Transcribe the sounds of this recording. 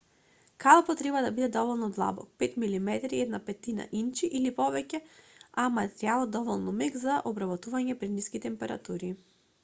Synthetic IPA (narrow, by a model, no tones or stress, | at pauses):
kalˠpɔt̪ɾɛbad̪abid̪ɛd̪ɔvɔlˠnɔd̪lˠa̰bɔ̰k̚pɛt̪milimɛt̪ɾiɛd̪napɛt̪ina̰ʔint͡ʃiʔilipɔvɛcɛamat̪ɛɾialˠɔd̪ɔvɔlˠnɔmɛɡzaʔɔbɾabɔt̪uvaɲɛpɾɛd̪niskit̪ɛmpɛɾa̰t̪uɾi